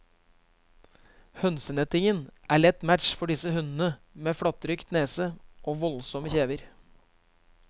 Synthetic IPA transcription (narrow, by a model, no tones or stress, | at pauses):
hœnsənɛt̪ɪŋənʔæːɭɛt̪mætʃfɔɖɪsəhʉnn̩əmeːfɽɑt̪ɾʏkt̪neːsəʔoːʋɔlsɔməçeːʋəɾ